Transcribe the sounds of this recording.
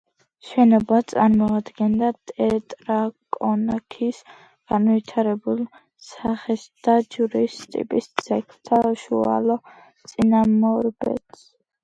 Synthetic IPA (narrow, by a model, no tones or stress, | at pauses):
ʃɛnɔbat̪sʼaɾmɔad̪ɡɛnd̪at̪ʼɛt̪ʼɾakʼɔnakʰis | ɡ̥anvit̪ʰaɾɛbulˠ | saχɛsd̪̥ad͡ʒuɾist̪ʼḭpʼist̪sʰɛkʰt̪ʰaʃua̰lɔ | t̪sʼinamɔɾbɛ̰t̪s